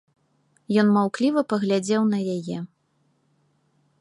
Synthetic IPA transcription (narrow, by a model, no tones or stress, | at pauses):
jɔnmawklʲivɐpɐɣlʲad͡zʲɛwnɐjajɛ